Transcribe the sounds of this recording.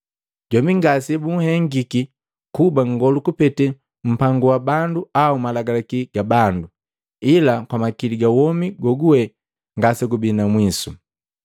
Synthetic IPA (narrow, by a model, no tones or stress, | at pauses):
ɟɔmiŋɡasɛbuŋ̩hɛŋɡiki | kubaŋɡɔlukupɛtɛ | m̩paŋɡuwabanduaumalaɡalakiɡ̥abandu | ilakwamakiliɡawɔmiɡɔɡuwɛ | ŋɡasɛɡubinamwisu